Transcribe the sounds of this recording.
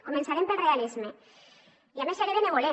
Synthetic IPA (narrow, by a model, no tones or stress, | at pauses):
komensaɾempelrealizme | iamesaɾeðeneβole